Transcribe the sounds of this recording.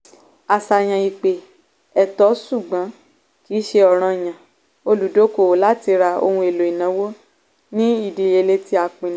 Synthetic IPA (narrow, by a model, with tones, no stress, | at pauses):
a˧˨sa˧˨j̃ã˧i˨k͡pe˨ | ɛ˨tɔ˨˦su˦˨ɡ͡bã˨˦ | ki˨˦ʃe˧ɔ˨ɾ̃ã˧˨j̃ã˨ | o˧lu˨˦do˨˦ko˦˨o˨˦la˦ti˧ɾa˧o̰˧hũ˧e˨lo˨i˨nã˨˦wo˦ | nĩ˦i˦˨di˧˨je˧le˧ti˦a˧k͡pĩ˨nĩ˨˦